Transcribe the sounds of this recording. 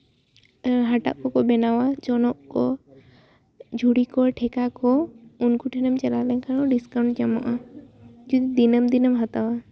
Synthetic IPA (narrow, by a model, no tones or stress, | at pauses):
ɦaʈa̰ʔkɔkɔbɛnawad͡ʒɔnɔʔkɔ | d͡ʒʱuɽikɔʈʰɛkakɔunkuʈʰɛnəmt͡ʃɛlalɛnkʰanɔɖiskaw̃ɳʈ̚d͡ʒamɔʔa | d͡ʒɔd̪id̪inəmd̪inəmɦat̪awa